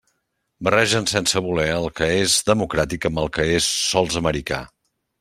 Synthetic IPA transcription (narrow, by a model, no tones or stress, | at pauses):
bərɛʒənsɛnsəβulɛəlˠkəezðəmukɾat̪ikəməlˠkəesːɔlˠzəməɾika̰